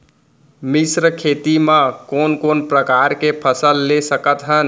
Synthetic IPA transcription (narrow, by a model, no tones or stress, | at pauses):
misɾəkʰet̪imãkoːnkonpɾəkaɾkepʰəsəlːesəkət̪ɦən